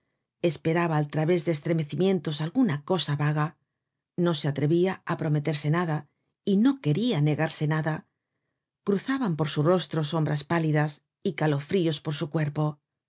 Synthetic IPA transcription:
e̞spe̞ɾaβaːlt̪ɾaβe̞zðeːst̪ɾe̞me̞θimjẽ̞nt̪o̞salɣunako̞saβaɣa | no̞se̞at̪ɾe̞βiaapɾo̞me̞t̪e̞ɾse̞naða | ino̞ke̞ɾiane̞ɣaɾse̞naða | kɾuθaβampo̞ɾsuro̞st̪ɾo̞so̞mbɾaspaliðas | ikalo̞fɾio̞spo̞ɾsukwe̞ɾpo̞

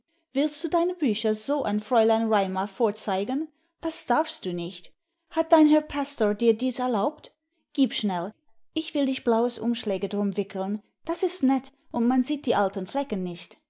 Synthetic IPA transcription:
v̥ɪlstd̥uːdaɪnəbyːçɐzoːʔa̰ɪnfʁ̥ɔʏlaɪnʁaɪmaɐfoːɐt͡saɪɡən | d̥asd̥aɐfst̚d̥uːnɪçt | hat̚d̥aɪnɦɛɐpʰastoːɐdiːɐdiːsɛɐlaʊpt | ɡ̥iːpʃnɛl | ʔɪçv̥ɪldɪçb̥laʊəsʔʊ̰mʃlɛːɡədʁʊmvɪkl̩n | d̥asɪstnɛt | ʔʊntmanziːt̚d̥iːʔaltənflɛkənːɪçt

